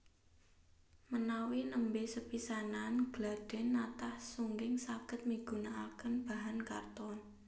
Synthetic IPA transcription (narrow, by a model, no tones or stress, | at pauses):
mənawinəmbesəpisananɡ̥lad̥ɛ̤nːat̪ahsuŋɡɪŋsaɡ̥ə̤t̪̚miɡ̥ṳnaakənb̥aɦanka̰rt̪ɔn